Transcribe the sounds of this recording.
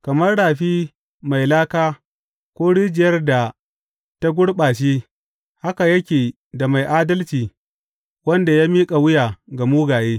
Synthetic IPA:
kɐ˨mɐ˦rɽaː˨ɸiː˦ | ma˨jlaː˦kaː˦ | kʷoː˦ɽɪ˦d͡ʒɪ˨jɐ˦rda˨ | ta˦ɡʷʊ˦ɽɓaː˨ʃeː˦ | ha˦ka˨jɐ˦kʲeː˨ | da˨ma˨jʔaː˦dɐ˦lt͡ʃiː˨ | wɐ˦nda˨jaː˦miː˦kʼa˨wʊ˦jaː˨ɡa˨muː˦ɡaː˨jeː˦

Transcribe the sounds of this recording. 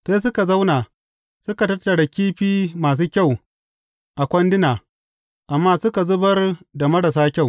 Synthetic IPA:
seː˦s̬ʊ˦ka˨za˦wna˨ | sʊ˦ka˨tɐ˦tːɐ˨ɽa˨kʲiː˦ɸiː˦maː˨s̬uː˦kʲa˦˨w | ʔa˨kʷɐ˦ndɪ˦naː˨ | ʔa˨mːaː˦sʊ˦ka˨zʊ˦bɐ˦rda˨mɐ˦ɽɐ˨s̬aː˦kʲa˦˨w

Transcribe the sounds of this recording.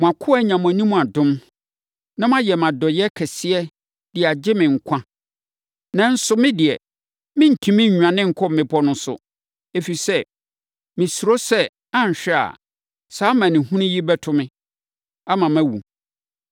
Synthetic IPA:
mʊ̃˨a˨kʰʊ˦a˦ɲã˨mʊ̃˨æ˨nĩ˦mũ˨a˨dʊ̃˦m | nã˦mã˦jɛ˨mã˨dɔ˨jɛ˦kʰɛ˨sɪ˦ɛ˦ | d̥ɪ˨a˨d͡ʑɪ˦mɪ̃˨ŋ̩˨kʷʰã˦ | nã˦n̩˦sʊ˦mɪ̃˦dɪ˨ɛ˨ | mɪ̃˦n̩˨tʰĩ˨mɪ̃˦ɲ̩ᶣ˨ã˨nɪ̃˦ŋ̩˨kʰɔ˦mɪ̃˨pʰɔ˦nʊ̃˦sʊ̰˨ | e˨fi˨i˨sɛ˦ | mɪ̃˨su˨ɾo˦sɛ˦ | ã˦ɲ˨ɕᶣɛ˦a̰˨ | saː˨˦mã˨nɪ̃˨hũ˦nĩ˦ji˦bɛ˦tʰʊ˦mɪ̃˦ | a˦mã˨mæ̃˦wu˨

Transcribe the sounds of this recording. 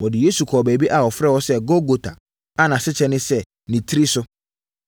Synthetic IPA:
wɔ˨dɪ˨je˦su˨kʰɔː˨bæ˨bi˦ʔa˨wɔ˨fɾɛ˦wɔ˦sɛ˦ɡo˦ɡo˨tʰa˨ | a˦nã˨sɪ˦t͡ɕʰɛ˦nɪ̃˦sɛ˦ | nĩ˨tʰi˦ɾi˦sʊ˦

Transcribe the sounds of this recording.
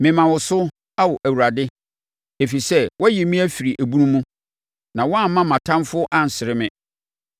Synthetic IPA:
mɪ̃˨mã˨wʊ˨sʊ˦ | a˦wɔ˨ʔæ˨wu˨ɾa˨dɪ˦ | e˨fi˨sɛ˦wɔ˦jɛ˨mĩ˦æ˦fi˨ɾi˨ʔæ˨bu˦nũ˦mːũ˦ | nã˨wɔ˦a˦mːã˦mã˨tʰã˦mfʊ˦ʔa˦n̩˨sɪ˨ɾɪ˦mɪ̃˨

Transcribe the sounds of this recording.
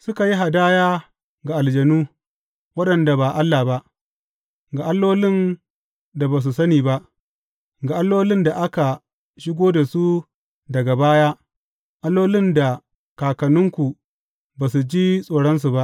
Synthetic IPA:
sʊ˦ka˨ji˦ɦa˨daː˦jaː˦ | ɡa˨ʔa˨ld͡ʒɐ˨nuː˦ | wɐ˦ɗɐ˨nda˨ba˨ʔa˦lːa˨ba˦ʔ | ɡa˨ʔa˦lːoː˦lɪ˦n | da˨baː˨s̬u˨sɐ˦niː˨ba˦ʔ | ɡa˨ʔa˦lːoː˦lɪ˦nda˨ʔa˦ka˨ | ʃɪ˦ɡʷoː˦da˨su˦ | dɐ˨ɡa˨baː˦jaː˦ | ʔa˦lːoː˦lɪ˦nda˨ | kaː˨kɐ˨nʊ˦ŋkʷu˨ | baː˨su˨d͡ʒiː˦sʼoː˨ɽɐ˦ns̬u˨ba˦ʔ

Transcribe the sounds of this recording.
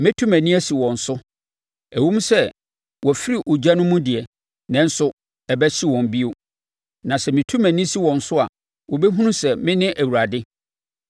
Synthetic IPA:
mɪ̃˦tʰũ˦mæ̃˨nĩ˦æ˦si˨wɔ̃˨n̩˨sʊ˦ | æ˨wũ˦m˦sɛ˦˨ | wɔ˨fi˦ɾi˨ʔʊ˨d͡ʑa˦nʊ̃˦mũ˦dɪ˨ɛ˨ | nɛ̃˨n̩˦sʊ˦ | ɛ˨bɛ˦ɕi˦wɔ̃˨m˨bi˦o˦ | nã˨sɛ˨mɪ̃˨tʰũ˦mæ̃˨nĩ˦si˦wɔ̃˨n̩˨sʊ˦a˨ | wɔ˨bɛ˦ɦũ˦nũ˦sɛ˨mɪ̃˦nɪ̃˦ʔæ˨wu˨ɾa˨dɪ˦

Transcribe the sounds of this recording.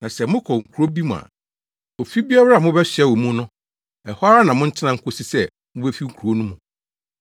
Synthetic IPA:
nã˨sɛ˨mʊ̃˦kʰɔ˨ŋ̩˨kʰu˨ɾo˦bi˦mũ˨a̰˨ | o˨fi˦bi˦a˦bɾa˦a˨mʊ̃˦bɛ˦ɕᶣɛ˦wo˨mũ˦nʊ̃˦ | ɛ˨hɔ˦a˦a˦nã˨mʊ̃˦n̩˦t͡ɕʰɪ˦nã˦ŋ̩˦kʰʊ˦si˦sɛ˦ | mʊ̃˦bɛ˦fi˦ŋ̩˦kʰu˨ɾo˦nũ˦mũ˨

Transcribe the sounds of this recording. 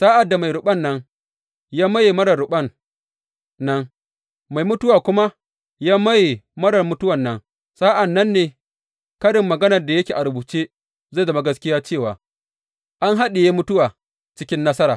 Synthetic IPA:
saː˦ʔa˨dːa˨ma˨jɾʊ˨ɓɐ˦nːɐ˦ŋ | jaː˦mɐ˦je˨mɐ˦ɽɐ˨ɽʊ˨ɓɐ˦˨nː | ɐ˦ŋ | ma˨jmʊ˦tʊ˦waː˨kʷʊ˦ma˦ | jaː˦mɐ˦je˨mɐ˦ɽɐ˨rmʊ˦tʊ˦wɐ˨nːɐ˦ŋ | sa˦ʔa˨nːɐ˦nːeː˨ | kɐ˦ɽɪ˨mːɐ˨ɡɐ˦nɐ˨rda˨jɐ˦kʲeː˨ʔa˨ɾʊ˨buː˨t͡ʃeː˦ | za˦˨dɐ˦ma˦ɡɐ˦skʲɪ˦jaː˦t͡ʃeː˦˨waː˨ | ʔa˦ŋɦa˦ɗe˨jeː˦mʊ˦tʊ˦waː˨ | t͡ʃɪ˦kʲɪ˦nːɐ˦sɐ˦ɾaː˨

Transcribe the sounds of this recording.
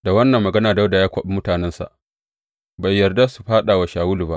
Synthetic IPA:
da˨wɐ˦nːɐ˨mːɐ˨ɡɐ˦naː˨da˦wda˨jaː˦kʷɐ˦ɓi˦mʊ˦taː˨nɛ˦nsa̰˨ʔ | ba˨jːɐ˨rda˦su˨ɸaː˦ɗa˨wa˨ʃaː˨wʊ˦lu˨ba˦ʔ

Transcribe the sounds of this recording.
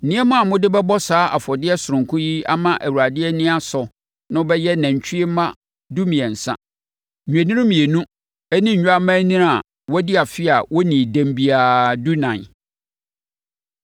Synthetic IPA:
n̩˨nɪ̃˦ɛ˦mã˦a˨mʊ̃˦dɪ˦bɛ˦bɔ˦saː˦ʔa̰˨fɔ˨dɪ˦ɛ˦sʊ˨ɾʊ̃˨ŋ˨kʰʊ̃˦ji˦a̰˦mã˦ʔæ˨wu˨ɾa˨dɪ˦ɛ˦nɪ̃˦a˦sɔ˨ | nʊ̃˦bɛ˦jɛ˦næ̃˨ɲ˨t͡ɕʰᶣi˦e˦mã˦ | du˦mĩ˨ɛ˨n̩˨sã̰˦ | ɲᶣu˨e˨nĩ˦mĩ˨ɛ˨nũ˦ | ɛ˦nĩ˦ɲ̩ᶣ˨˦a˦mã˦nĩ˦ɾa˨ | wɔ˦dɪ˦a˨fɪ˦a˨wɔ˦nĩ˨dæ̃˨mbi˨a˨du˦nã˨n

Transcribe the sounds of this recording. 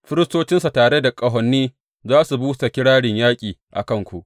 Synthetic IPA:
ɸɪ˦ɾɪ˦stoː˦t͡ʃɪ˦nsa˨taː˨ɽe˦da˨kʼɐ˦ɦɔ˨nːiː˦ | zaː˦su˨buː˦ta˨kʲɪ˦ɽaː˦ɽɪ˨ɲjaː˦kʲʼiː˨ʔa̰˨kɐ˦˨ŋkʷu˨ʔ

